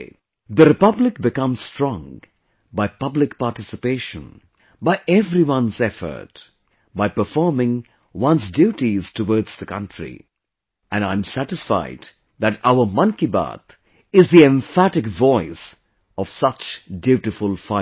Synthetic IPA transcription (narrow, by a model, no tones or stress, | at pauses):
ðəɾɨpʌblɪk̚bɨkʌ̃mz̥stɹ̥ɔ̃ŋ | baɪpʌblɨk̚paːʈɪsɨpeɪʃə̰̃n | baɪʔɛvɾiwʌ̃nzɛfə̰˞t | baɪpəfɔɹmɪ̃ŋ | wʌ̃nsdjʉuʈiz̥təwɔːɹdz̥ðəkʰʌ̰̃ntɹḭ | ʔɨ̃nãɪ̃msæɾɨsfa̰ɪd | ðæɾaʊə˞mʌ̃ŋkiba̰t̪ | ɪzðiɛ̃ɱfæɾɨkvɔɪs | ɔv̥sʌt͡ʃdjʉɾɨfʊlˠfa